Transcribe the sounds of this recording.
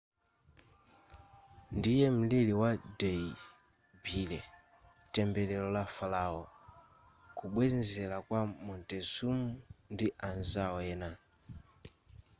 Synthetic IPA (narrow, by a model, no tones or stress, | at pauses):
ndijɛm̩liliwadɛi | bilɛ | tɛmbɛlɛlɔlafalaɔ | kuɓwɛnzɛlakwamɔntɛzumundiʔanzaɔɛːna